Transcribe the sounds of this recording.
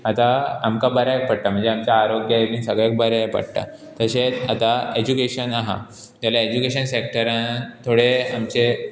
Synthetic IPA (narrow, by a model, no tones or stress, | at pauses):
at̪aamkabəɾak̚pəɽt̪am̤əɳd͡zeamt͡ɕjaːɾoɡjaet̪ĩisəɡɭek̚bəɾapə̰ɽt̪a̰ | t̪əɕet͡sat̪aed͡ʑukeɕənaɦa̰ | t̪jalaed͡ʑukeɕənsek̚ʈəɾãnt̪ʰoɽeamt͡ɕe